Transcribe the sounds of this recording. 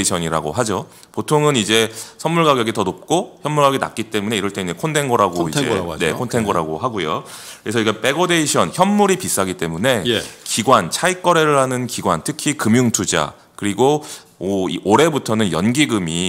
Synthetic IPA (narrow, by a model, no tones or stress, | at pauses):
iɕʰʌɲiɾa̰ɡo̰ɦad͡ʑo | potʰoŋɯnid͡ʑe̞sʰʌnmuɭɡaɡjʌɡitʌnop̚k͈oçjʌnːuɭɡaɡina̰k̚k͈it͈e̞mune̞iɾʌɭt͈einekʰonde̞nɡʌɾaɡoiḛne̞kʰontʰeŋɡʌɾaɡoɦaɡujokɯɾe̞sʰʌiɡap͈e̞ɡode̞iɕʰʌnçjʌmːuɾipis͈aɡit͈e̞mune̞jkiɡwant͡ɕʰaik͈ʌɾe̞ɾɯɭɦanɯnkiɡwantʰɯkʰikɯmjuŋtʰud͡ʑa̰ | kɯɾiɡo | iʔoɾe̞butʰʌnɯnjʌnɡiɡɯmi